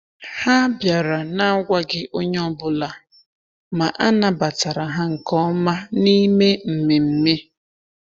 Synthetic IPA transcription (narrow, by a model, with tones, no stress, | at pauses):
ha˦bja˨ɾa˨na˦ɡʷa˦ɡɪ˦ʔo˦ɲ˦ɔ˦bʊ˨la˨ | ma˨ʔa˦na˨ba˨ta˨ɾa˨ɦa˦ŋ̩˨kɔ˦ɔ˦ma˦ni˦me˦m̩˨me˨m̩˦me˦